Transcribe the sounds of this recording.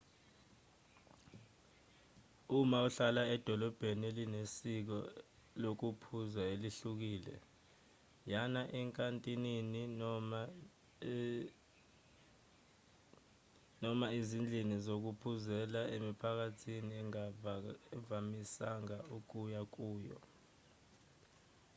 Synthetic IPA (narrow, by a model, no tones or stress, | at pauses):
umauɬalaɛd̥ʱɔlɔb̥ʱenielinesik̬ɔ̰ | lok̬upʰuzaeliɬuk̬iːlɛ̰ | janaʔɛŋkʼantʼinini | nɔmaizind͡ɮʱinizok̬upʰuzɛlaemipʰak̬atʰiniɛ | vamisaŋauk̬ujak̬uːjɔ̰